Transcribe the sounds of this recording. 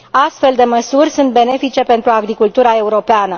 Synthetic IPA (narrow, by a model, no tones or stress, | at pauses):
ast̪fe̞ld̪e̞məsurʲsunt̪̚be̞ne̞fit͡ʃe̞pe̞nt̪ɾuaɡɾikult̪uɾae̞uɾo̞peanə